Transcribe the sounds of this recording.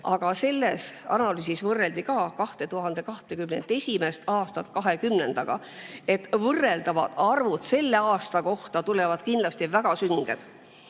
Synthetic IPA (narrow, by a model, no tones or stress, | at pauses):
ʔɑɡ̥ɑse̞lːe̞sɑ̰nɑlyːsisvɤrːe̞ld̪ikɑːkɑht̪e̞t̪uɦɑnd̪e̞kɑht̪e̞kymnḛnt̪ːe̞sʲime̞st̪ɑːst̪ɑt̪kɑɦe̞kymne̞̰nd̪̥ɑɡ̥ɑ̰ | e̞t̪ːvɤrːe̞ld̪ɑvɑ̰d̪̥ɑrvud̪̥se̞lːe̞ɑːst̪ɑko̞ht̪ɑt̪ule̞vɑd̪̥kind̪lɑst̪ivæɡ̥ɑsyŋɡ̥ḛd̪̥